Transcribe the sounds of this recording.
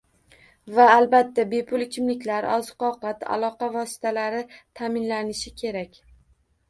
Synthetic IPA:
vaːlbat̪ʰːabe̞pʰʊlˠɪkʲʰɪmlɪkʲlaɾɒzqɒqʰɑt̪a̰lˠɒqɑvɒsɪ̥t̪ʰalaɾɪt̪ʰamɪnlanɪʃɪkʲʰe̞ɾakʲ

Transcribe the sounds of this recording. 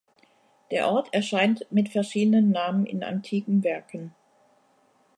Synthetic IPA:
d̥eːɐʔɔɐtʰɛɐʃaɪntmɪtfɛɐʃiːdənənːaːmənɪ̰na̰ntʰiːkŋ̩vɛɐkʰən̩

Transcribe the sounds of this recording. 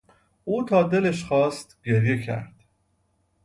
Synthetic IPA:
uːt̪ʰɒːd̪e̞leʃxɒːst̪ɡeɾje̞cʰæ̰ɾd̪̥

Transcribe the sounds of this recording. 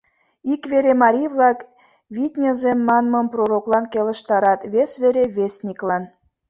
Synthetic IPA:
ikβeɾemɑɾʲijβlɑk | βit̪ʲnʲəzemːɑnmɤmproɾoklɑnkelə̆ʃt̪ɑɾɑt̪βesβeɾeβesnʲiklɑn

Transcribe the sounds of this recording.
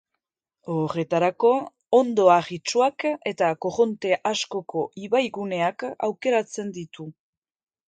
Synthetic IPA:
ore̞t̪aɾako̞ː | nd̪o̞aɣit͡ʃuake̞t̪ako̞ɣo̞nt̪e̞ʔasko̞ko̞ʔiβajɣune̞aka̰wke̞ɾat͡se̞nd̪it̪u

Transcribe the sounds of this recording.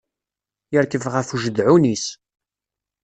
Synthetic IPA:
jəɾkəvʁəfuʒəd̪ʕunis

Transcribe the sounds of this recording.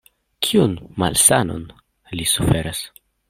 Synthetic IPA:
kʰiunma̰lsano̰n | lisufe̞ɾas

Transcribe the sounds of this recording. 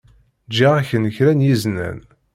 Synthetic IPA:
d͡ʒiʁaçənəçɾænjiznæ̰n

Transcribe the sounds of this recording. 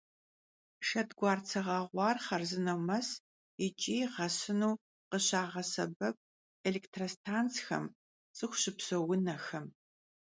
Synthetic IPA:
ʃɐtɡʷɑːrt͡sʰɐʁɑʁʷɑːrχɐrzɨnɐwmɐs | it͡ʃʼiːʁɐsɨnuː | qəɕaːʁɐsɐ̰bɐp̚ | eleːktʰrostʰaːnt͡sxɐ̰m | t͡sʼɨχʷʊɕɪpsowʊnɐxɐm

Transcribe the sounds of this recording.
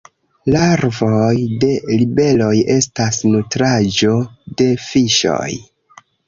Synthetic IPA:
laɾvojde̞libe̞lo̞je̞stasnutɾad͡ʒo̞de̞fiʃo̰j

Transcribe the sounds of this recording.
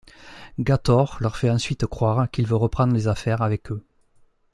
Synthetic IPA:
ɡat̪ɔʁlœʁfɛɑ̃sɥit̪əkχwaʁəkilvøʁəpχɑ̃nd̪ʁəlezafɛʁavɛkʰø

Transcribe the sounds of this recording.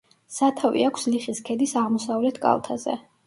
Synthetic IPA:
sat̪ʰavḭakʰsliχiskʰɛd̪isaʁmɔsavlɛt̪ʰkʼa̰lˠt̪ʰazɛ̰

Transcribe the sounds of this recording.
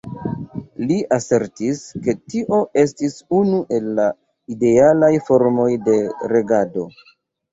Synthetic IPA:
liʔase̞ɾtiske̞tiʔo̞ʔe̞stisunuʔe̞lːa | ide̞alajfo̞ɾmo̞jde̞ɾe̞ɡado̞

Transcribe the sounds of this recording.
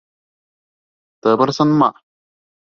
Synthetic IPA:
t̪əbəɾsənmaʔ

